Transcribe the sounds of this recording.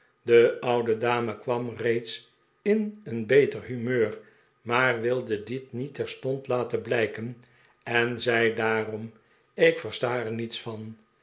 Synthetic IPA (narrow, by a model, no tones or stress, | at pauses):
dəʌwdədaːməkʋɑmrejts | ɪnənbejtərɦymøːr | maːrʋɪlˠdədɪtnitɛɹstɔntlaːtənblɛjkən | ɛnzɛjdaːrɔm | ɪkfəstaːɛɹnitsfɑn